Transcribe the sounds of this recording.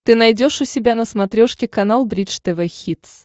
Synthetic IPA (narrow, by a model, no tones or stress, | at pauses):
t̪ɨnɐjdʲo̞ʂʊsʲɪbʲanəsmɐt̪ɾʲoʂkʲɪkɐnalˠbɾʲit͡ʂt̪ɛvɛxʲit̪s